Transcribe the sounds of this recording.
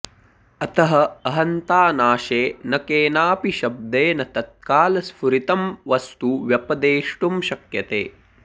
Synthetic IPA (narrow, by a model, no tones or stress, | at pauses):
ɐt̪ɐɦɐɐɦɐnt̪aːnaːʃeːnɐkeːnaːpiʃɐb̚d̪eːnɐt̪ɐt̪̚kaːlɐsfuɾit̪ɐmʋɐst̪uʋjɐpɐd̪eːʂʈumʃɐkjɐt̪ḛː